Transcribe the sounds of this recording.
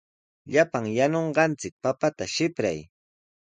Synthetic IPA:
ʎapaŋjanoɴɢɑnt͡sɪk̚papat̪aʃɪpɾa̰j

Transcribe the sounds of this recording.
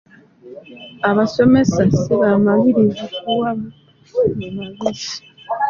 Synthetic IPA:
aβaso̞me̞saseβamaɡiɾizikuwaβu | memaβisi̥

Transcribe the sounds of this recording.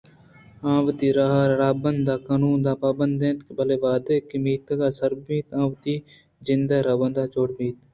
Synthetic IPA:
ãːʋt̪iːɾaɦaɾɾaːbənd̪aːkaːnuːnd̪aːpaːbənd̪ẽːt̪kebɐleːʋaːd̪eːkimiːt̪ɡaːsɐɾbmiːt̪ãːʋt̪iː | zɪnd̪aɾaːbənd̪aːt͡ʃoːɽmiːt̪

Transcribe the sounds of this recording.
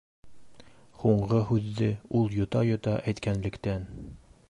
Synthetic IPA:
huɴɢɤɦʉðːɘulˠjŏt̪ɑjŏt̪ɑʔæjt̪kænlɘ̆kt̪æn

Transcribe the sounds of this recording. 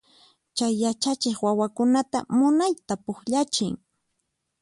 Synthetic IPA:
t͡ʃajːat͡ʃat͡ʃɪχwawakʊnat̪amʊnajt̪apʊxʎat͡ʃɪŋ

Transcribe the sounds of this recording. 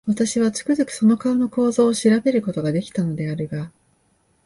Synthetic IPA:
βat̪aɕiβ̞at͡sɨ̥kɯ̟zɨkɯ̟̥so̞no̞kaono̞ko̞ːzo̞ːɕiɾabe̞ɾɯ̟ko̞t̪o̞ɡad̪e̞kʲi̥t̪ano̞d̪e̞aɾɯɡa

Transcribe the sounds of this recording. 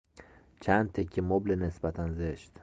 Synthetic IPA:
t͡ʃʰænd̪̚t̪ʰecʰːemoblenesbæt̪ʰænzeʃt̪

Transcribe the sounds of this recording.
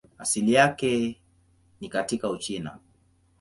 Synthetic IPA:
a̰silijakɛ | nikatikaut͡ʃina̰

